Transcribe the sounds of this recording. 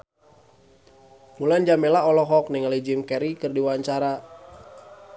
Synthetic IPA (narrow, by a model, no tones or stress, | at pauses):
muland͡ʒamɛlaɔlɔɦɔk̚nɪŋalid͡ʒimkɛɾikɨrdiwaɲt͡ʃaɾa